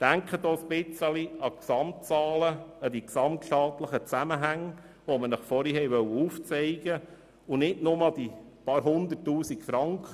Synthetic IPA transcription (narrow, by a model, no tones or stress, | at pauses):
d̥æŋkχədɔːsbɪt͡səliɑksɑmt͡sɑːləəd̥̪iksɑmtʃtɑːt̪ləχət͡sæməɦæŋ | ʋomənəχfɔɾiɦɛɪʋœwəuːft͡sɛɪɡ̥ə | ʊnɪdnʊmɑd̥̪ipɑɾɦʊnd̪ətːuːsikfɾɑŋkχə